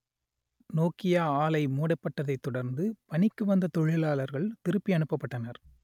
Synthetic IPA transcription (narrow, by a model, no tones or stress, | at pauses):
noːkɪjaːaːlɐɪmuːɽɐpːɐʈːɐðɐɪt̪ːɔɽɐɾnd̪ɯpɐɳɪkːɯʋɐnd̪ɐt̪ɔɻɪlaːlɐɾɣɐɭt̪ɪɾɯpːiɐɳɯpːɐpːɐʈːɐnɐɾ